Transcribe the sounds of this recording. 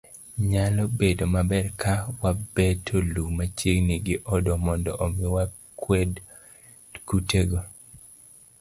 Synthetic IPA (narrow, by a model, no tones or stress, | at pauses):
ɲalɔbedomabɛrkʰawabɛtʰolumat͡ʃeŋnɪɡɪʔɔdɔmɔndɔʔomɪwa | kwed | kuteɡo